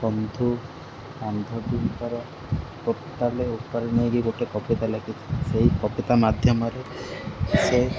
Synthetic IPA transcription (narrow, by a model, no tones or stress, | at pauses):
kɔmd̪ʱu | and̪ʱɔbimpɔɾɔ | kɔpt̪aleukpaɾinijɡiɡoʈekɔpit̪alekʰit͡ʃʰi̥seɦikɔpit̪amad̪ʱjɔmɔɾe | se